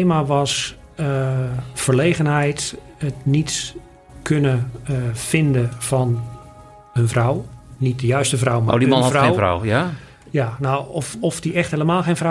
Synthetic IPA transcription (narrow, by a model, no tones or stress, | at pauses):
eːmaʋɔs | əfəɹleːɣənɛjt | ətnit | kʰønəfɪndəfɔn | hənvrɔwnit̚dəjœɥstəfrɔwma̰dimɔnewfra̰wja | janowfɔfdiɛxtheləmaːlˠxeːnvra